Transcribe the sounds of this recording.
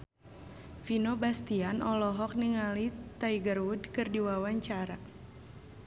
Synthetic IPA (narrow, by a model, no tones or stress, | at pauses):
finobast̪ianʔɔlɔɦɔk̚niŋalit̪aiɡərwudkɨrdiwawaɲt͡ʃaɾa